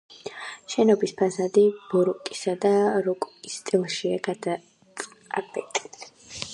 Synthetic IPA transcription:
ʃɛnɔbispʰasad̪ib̥ɔɾɔkʼisad̪aɾɔkʼkʼist̪ʼilˠʃiaɡad̪a | apʰɛk̚t̪ʼi̥

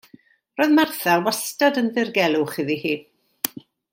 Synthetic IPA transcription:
roːjðmarθɛlwastadənðɪrɡɛlˠʊχɪðihiː

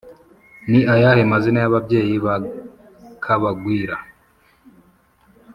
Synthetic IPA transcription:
niʔajahemazinajaβabje̞ːjiβa | kʰaβaɡwiːɾa

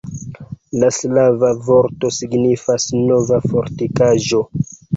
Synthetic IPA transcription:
laslavavo̞ɾto̞siɡnifasno̞vafoɾtikaʒo̞

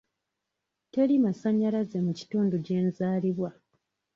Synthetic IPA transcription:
te̞limasaɲːalaze̞muci̥tuːnduɟe̞ːnzaːliβwa

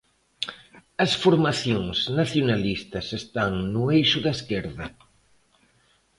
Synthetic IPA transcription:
ɐsfoɾmaθjoŋznaθjonalist̪ɐsest̪aŋnuejʃʊðaeskeɾðɐ

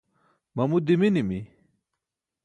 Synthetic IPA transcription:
mɐmud̪iminimi

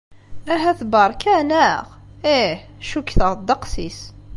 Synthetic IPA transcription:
æɦæθbɑɾˤkænæʁ | ehʃukːθəʁd̪ɑqsis

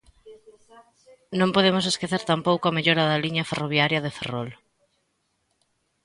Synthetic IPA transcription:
nõmpoðemʊseskeθeɾt̪ampowkoɐmeʎoɾɐðɐliɲɐferoβ̞jaɾjɐðefḛrɔl

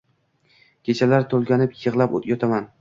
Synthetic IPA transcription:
kʲʰe̞t͡ʃʰalaɾt̪ʰolˠɡʲanɪpjɨʁlˠapo̰t̪jɒt̪ʰaman

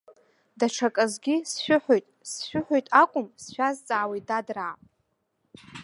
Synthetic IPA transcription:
daʈ͡ʂʰakʼazɡʲisʃʷᶣʊħʷᶣojtʼsʃʷᶣʊħʷᶣojtʼakʷʼʊmsʃʷᶣazt͡sʼaːwejdadraːpʼ

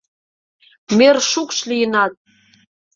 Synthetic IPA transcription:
merʃukʃlijənɑt̪̚

